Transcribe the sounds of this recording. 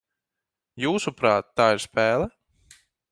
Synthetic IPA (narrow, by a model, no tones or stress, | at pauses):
juːsupɾaːt̪ːaːiɾspɛːlˠɛ